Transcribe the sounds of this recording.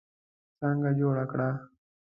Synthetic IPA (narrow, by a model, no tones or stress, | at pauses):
sãːŋɡaːd͡ʒoːɽaːkɽaː